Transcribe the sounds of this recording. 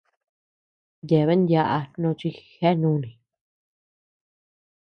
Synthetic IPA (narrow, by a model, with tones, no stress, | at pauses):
je˨βe˦nd̪ʲja˧ʔa˧nõ˧t͡ʃi˧xe˦nũ˦nĩ˨